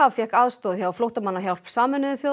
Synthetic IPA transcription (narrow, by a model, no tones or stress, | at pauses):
avfjɛhkaðst̪ɔːðçjaaflowht̪amanːaçjawl̥psaːmɪnːɪðʏθjo